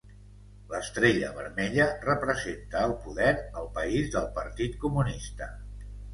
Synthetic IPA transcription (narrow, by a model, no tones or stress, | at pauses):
ləst̪ɾeʎə̰βəɾmɛʎərəpɾəzent̪əːlˠpuðɛɾəlˠpəizðəlˠpəɾt̪it̪kumunist̪ə